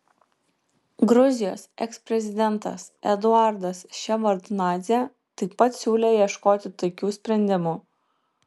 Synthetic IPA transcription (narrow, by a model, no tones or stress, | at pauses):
ɡɾʊzʲɪjoːsɛ̰kspʲɾʲɛzʲɪd̪ʲɛnˑt̪ɐ̰sɛd̪ʊɑˑɾd̪ɐsʃʲɛʋɐɾd̪nɑːzʲɛ | t̪ɐɪpːɐt̪sʲuːlʲeːjiɛʃkoːt̪ʲɪt̪oɪkʲuːsʲpʲɾʲɛnʲd̪ʲɪmuː